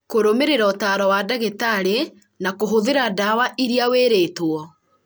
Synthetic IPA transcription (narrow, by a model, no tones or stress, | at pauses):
koɾomeɾeɾaotaːɾɔwaːdaɣetaɾe | nakoɦoðeɾadawaʔiɾiaweːɾeːtwɔ